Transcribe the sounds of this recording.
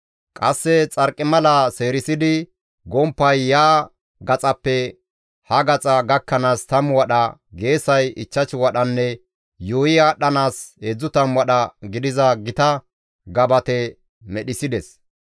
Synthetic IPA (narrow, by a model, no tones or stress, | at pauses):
kʼɐsːɛt͡sʼɐɾkʼːɪmɐlɐse̞ːɾɪsɪd̪ɪ | ɡɔmpːɐjːaː | ɡɐt͡sʼɐpːɛ | hɐɡɐt͡sʼɐɡɐkːɐnaːst̪ɐmwɐɗɐɡe̞ːsɐjɪt͡ʃːɐt͡ʃɪwɐɗɐnːɛ | joːjɪjaːɗɐnaːsed͡zːʊt̪ɐmwɐɗɐɡɪd̪ɪzɐɡɪt̪ɐ | ɡɐbɐt̪ɛ | mɛɗɪsɪd̪ɛs